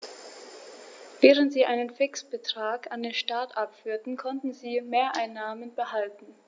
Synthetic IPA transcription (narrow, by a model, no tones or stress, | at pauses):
vɛːʁ̞əntz̥iːʔaɪnənfɪksb̥ətʁ̥aːkandeːnʃtaɐtʔapfyːɐtn̩kʰɔntn̩ziːmeːɐʔaɪnːaːmənbəhaltn̩